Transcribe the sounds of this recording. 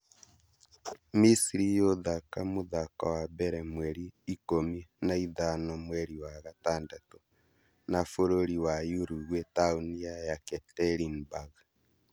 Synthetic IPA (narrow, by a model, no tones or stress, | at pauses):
misiɾijoðakamuðaka̰wabɛɾɛmwɛɾiːkominaiðanɔmwɛɾiwaɣataːndatɔ | nafoɾoɾiwajuɾuɣwetauniajakɛtɛɾinbaɣ